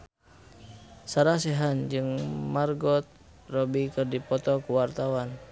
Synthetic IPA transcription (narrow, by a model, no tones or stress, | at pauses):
saɾasɛɦand͡ʒɨŋmarɡɔt̪̚ | rɔbikɨrdipɔt̪ɔkuwart̪awan